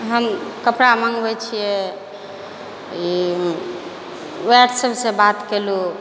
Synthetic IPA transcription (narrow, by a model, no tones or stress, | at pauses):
ɦəmkəpɽamə̃ŋɡbɛt͡ʃʰijɛ | i | wɛɖsəbʱsebat̪kelu